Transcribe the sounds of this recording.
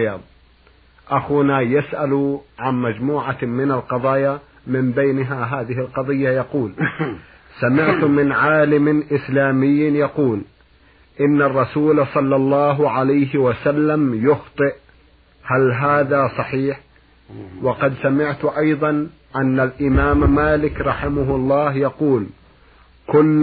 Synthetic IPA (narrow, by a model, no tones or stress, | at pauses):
ɑðˤ | ʔaxuːnajasʔaluʕanmad͡ʒmuːʕamɪnalqɑðˤɑːja | mɪmbejnɦaɦaːðɪɦɪlqɑðˤɨjːajɑquːl | samɪʕt̪mɪnʕaːlɪmɪʔɪslaːmɪjːjɑquːl | ʔɪnːarˤːɑsuːlsˤɑlːɑlˤːɑːɦʕalajɦɪwasalːamjʊxt̪ˤɨʔ | halɦaːðasˤɑħiːħ | wɑqɑd̪samɪʕt̪ʔɑjðˤɑn | ʔanːalʔɪmaːmːaːlɪkɾˤɑħɪmʊɦlˤːɑːɦjɑquːl | kʊlː